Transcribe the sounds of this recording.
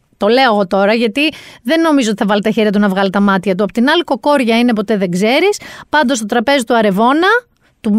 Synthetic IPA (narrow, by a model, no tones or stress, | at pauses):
t̪o̞le̞oɣo̞t̪o̞ɾɐʝɐt̪iðe̞nːo̞mizot̪iθɐvɐlet̪ɐçeɾʝɐt̪unɐvɣɐlit̪ɐmɐt̪çɐt̪̬uɐpot̪inɐliko̞ko̞ɾʝɐine̞po̞t̪e̞ðe̞ɡze̞ɾispɐnd̪ost̪o̞t̪ɾɐpe̞zit̪uɐɾe̞vo̞nɐ | t̪u